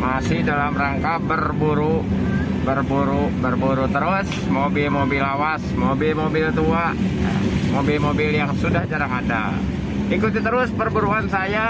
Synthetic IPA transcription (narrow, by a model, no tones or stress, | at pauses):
masɪhdalamraŋkabərbuɾu | bərbuɾubərbuɾut̪əɾʊs | mobɪlmobɪlawasmobɪlmobɪlt̪uaja̰mobɪlmobɪljaŋsudahd͡ʒaɾaŋada̰ | ikut̪it̪əɾʊspərbuɾuansaja